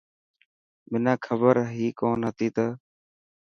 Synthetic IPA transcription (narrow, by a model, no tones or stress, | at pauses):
mɪnãːkʰəbəɾɦiːkoːnɦət̪iːt̪əː